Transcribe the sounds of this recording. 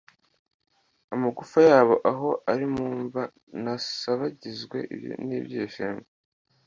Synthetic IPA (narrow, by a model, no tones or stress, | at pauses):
amaɡufajaːβo̞ʔaɦo̞ʔaɾimuːɱva | nasaβaɟizɡwe̞̰ʔḭβjo̰niːbjeːʃeːmbe